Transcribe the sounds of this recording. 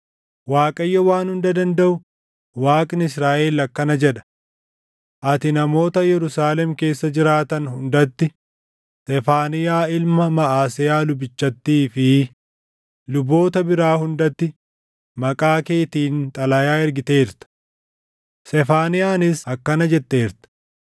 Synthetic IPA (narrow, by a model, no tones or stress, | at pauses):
waːkʼɐjːɐwaːnhʊnd̪ɐd̪ɐnd̪ɐʔʊ | waːkʼɪnɪsɾaːʔeːlɐkːɐnɐd͡ʒɛᶑɐ̥ | ʔɐt̪ɪnɐmo̞ːt̪ɐjɛɾʊsaːlɛmke̞ːsːɐd͡ʒɪɾaːt̪ɐnhʊnd̪ɐt̪ːɪ | sɛfaːnɪjaːɪlmɐmɐaːsɪjaːlʊbɪt͡ʃːɐt̪ːiːfɪ | lʊbːo̞ːt̪ɐbɪɾaːhʊnd̪ɐt̪ːɪ | mɐkʼaːke̞ːt̪iːnt̪ʼɐlɐjaːɛɾɡɪt̪e̞ːɾt̪ɐ̥ | sɛfaːnɪjaːnɪsɐkːɐnɐd͡ʒɛt̪ːe̞ːɾt̪ɐ̥